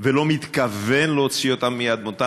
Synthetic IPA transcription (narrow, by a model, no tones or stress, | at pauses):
velo̞mit̪kavenleot͡siot̪amːijad̪̚mot̪a